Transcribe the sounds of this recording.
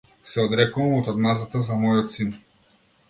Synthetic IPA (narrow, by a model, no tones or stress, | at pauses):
sɛɔd̪ɾɛkuvamɔt̪ad̪mazat̪azamɔjɔt̪sin